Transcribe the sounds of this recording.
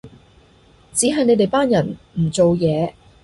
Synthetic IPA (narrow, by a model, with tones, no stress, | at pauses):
t͡siː˨˥ɦɐ˨jne˨˧t̪e˨jpaː˥njɐ˨˩nm̩˨˩t͡so˨wjɛː˨˧